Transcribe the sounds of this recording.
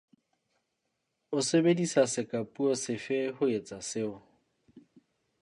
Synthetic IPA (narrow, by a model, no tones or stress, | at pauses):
ʊsebedisasɪkʼapʼuɔsɪfehʊet͡sʼasɪʊ